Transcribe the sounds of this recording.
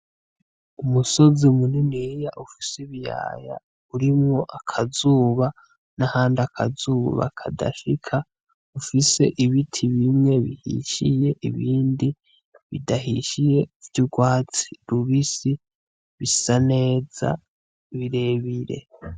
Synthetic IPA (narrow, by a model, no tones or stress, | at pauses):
umuso̞zimuniniɾijaʔufi̥seβja̰ːja̰ | uɾimŋo̞ʔakʰazuːβa | nahaːndakʰa̰zuːβa̰kʰada̰ʃikʰa | ufise̞ʔiβitʰiβimŋe̞βihḭʃije̞ʔiβiːndi | βidaɦiʃije̞vjuɡwaːt͡siɾuβisi | βisane̞ːza̰ | βiɾe̞βiɾe̞̰